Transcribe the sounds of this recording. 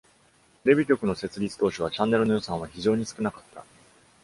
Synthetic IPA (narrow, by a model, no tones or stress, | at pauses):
t̪eɾʲe̞bʲik̬ʲo̞kɯ̟no̞se̞t͡sɨɾʲit͡sɨ̥t̪o̞ːɕoβ̞at͡ɕãnːe̞ɾɯ̟no̞jo̞sãɰ̃βaçiʑo̞ːɲ̟isɨ̥kɯ̟nakat̪ːa̰